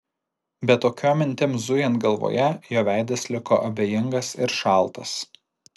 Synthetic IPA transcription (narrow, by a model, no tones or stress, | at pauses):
bʲɛt̪ːoːkʲoːmʲɪnʲt̪ʲɪmzʊjɛnt̪ɡɐlˠʋo̰ːjɛjoːʋʲæɪd̪ɐslʲɪkoːʔɐbʲeːjɪŋɡɐsɪɾʃɑˑlˠˑt̪ɐs